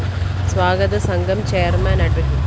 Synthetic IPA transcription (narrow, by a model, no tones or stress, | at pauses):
sʋaːɡɐd̪ɐsɐŋɡʱɐmt͡ɕejɐrmaːnɐɖʋɐkːi